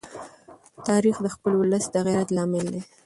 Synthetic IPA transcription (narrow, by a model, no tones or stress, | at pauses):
t̪ɑɾixd̪əxpəlwʊləsd̪əɣiɾat̪lɑmɪld̪e